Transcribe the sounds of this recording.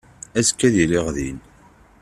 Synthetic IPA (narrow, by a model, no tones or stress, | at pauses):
æskːæðiliʁðin